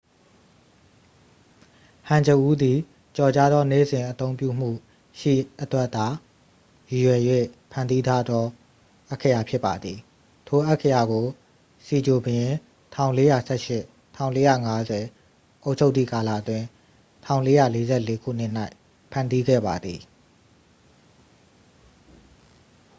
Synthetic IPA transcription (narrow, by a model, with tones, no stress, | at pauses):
hã˨ɲd͡ʑə˨ʔu˦d̪i˨ | t͡ɕɔ˨t͡ɕa˦d̪ɔ˦nḛ˦˨zɪ̃˨ʔət̪õ˦ʊ̃mpjṵ˦˨m̥ṵ˦˨ | ʃḭ˦˨ʔətwɛ˦ʔt̪a˨ | ji˨jwɛ˨jwḛ˦˨pʰã˨ndi˦t̪ʰa˦d̪ɔ˦ | ʔa˦˨kʰːə˨ja˨pʰjɪ˦pːa˨d̪ði˨ | tʰo˨ʔa˦kʰːə˨ja˨ɡo˨ | si˨d͡ʑo˨bjɪ̃˨ | tʰã˦˨ʊ̃le˦ja˨sʰɛ˦ʃɪ˦˨ʔ | tʰã˦˨ʊ̃le˦ja̰˦˨ŋa˦zɛ˨ | ʔo˦ʊʔt͡ɕʰo˦ʊt̪θḭ˦˨ka˨lä̰˦˨ʔət̪wɪ̃˨ | tʰã˦˨ʊ̃le˦jä̰˦˨le˦zɛ̰˦˨le˦kʰṵ˦˨n̥ɪ˦ʔn̥a˦ɪ | pʰã˨ndi˦ɡɛ̰˦˨ba˨d̪ði˨